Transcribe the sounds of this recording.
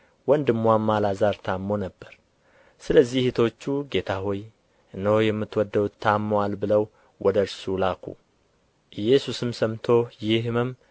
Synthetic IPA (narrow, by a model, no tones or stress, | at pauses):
wɔnd̪ɨmːʷwamːalazaɾt̪ʰamːo̞nəbːəɾ | sɨləzːihit̪ʰo̞t͡ʃːuɡe̞t̪ʰaɦoj | ɨnːəwjɛmːɨt̪ːwɔd̪ːəwut̪ʰːamːəwalbɨləw | wɔd̪əɾsulakʰṵ | ʔɨjːɛsusɨmsəmt̪ʰo̞jɪhmɨm